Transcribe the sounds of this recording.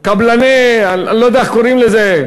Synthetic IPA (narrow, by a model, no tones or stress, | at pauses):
kablaneaanlod̪eaekoʁimleze